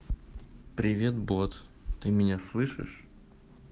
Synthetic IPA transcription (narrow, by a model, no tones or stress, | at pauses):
pɾʲɪvʲe̞t̪bot̪t̪ɨmʲɪnʲaslˠɨʂɨ̰ʂ